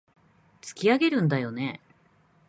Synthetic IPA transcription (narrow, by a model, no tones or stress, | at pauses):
t͡sɨ̥kʲiaɡe̞ɾɯ̟̃nd̪ajo̞ne̞